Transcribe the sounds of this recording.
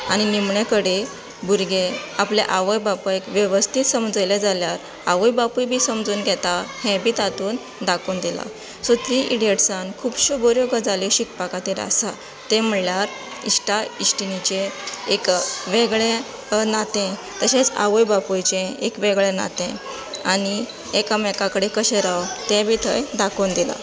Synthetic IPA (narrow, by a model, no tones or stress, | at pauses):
añinimɳẽkəɽe | buɾɡeaplɛʔaʋəjbapuekʋjəʋəst̪ʰit̪səmd͡zəjled͡zaljaɾ | aʋəjbapujbʱiːsəmd͡zuːnɡʱɛt̪ahɛ̃bʱiːt̪at̪uːn | d̪akuːnd̪ila̰ | sot̪ɾiːʔiɽieʈsãnkʰuːbɕuboɾjoɡəd͡zaliɕikpakat̪iːɾa̰sa | t̪ɛ̃m̤əɭljaɾ | ḭsʈaisʈinit͡ɕẽekʋeɡɭɛ̃ | nat̪ɛ̃ | t̪əɕet͡sa̰ʋujbapujt͡ɕẽekʋeɡɭɛ̃na̰t̪ẽ | aɽi | ekamɛkakɽekəɕeɾawt̪ɛ̃bʱiːt̪ʰəjd̪akond̪ila̰